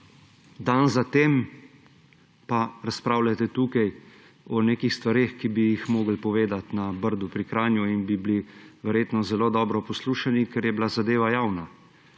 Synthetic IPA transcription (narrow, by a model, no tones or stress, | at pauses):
d̪anzat̪eːm | paɾaspɾaːwlʲat̪ɛt̪uːkaj | ɔneːkixst̪ʋaɾeːxkibijixmoːɡəlpɔʋeːd̪at̪nabəɾd̪upɾikɾaːnjuinbibliʋɛɾjeːt̪nɔzɛloːd̪ɔːbɾɔpɔsluːʃanikɛɾjɛbilazad̪eːʋajaːwna